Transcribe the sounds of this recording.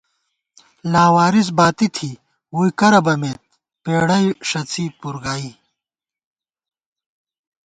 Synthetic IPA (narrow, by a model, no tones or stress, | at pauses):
laːwaːɾis̬baːt̪it̪ʰi | wujkɐɾɐbɐmeːt̪̚ | peːɽɐjʂɐt͡siːpuɾɡaːi